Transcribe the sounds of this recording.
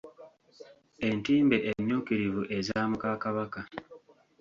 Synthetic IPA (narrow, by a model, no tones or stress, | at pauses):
e̞ntiːmbe̞ʔeɲːuːkiɾivuʔe̞zaaːmukakaβaka